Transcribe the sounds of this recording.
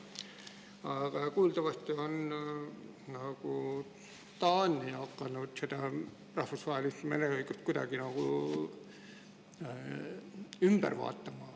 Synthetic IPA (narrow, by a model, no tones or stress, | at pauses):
ɑɡ̥ɑkuːld̪ɑvɑst̪ion | nɑɡ̥u | t̪ɑːnːiɑkːˑɑnud̪̥sed̪̥ɑ | rɑhfusvɑɦelist̪menehojkut̪̚kud̪ɑ̰ɡ̥inɑɡ̥u | ymb̥æ̰rvɑ̰ːt̪ːɑmɑ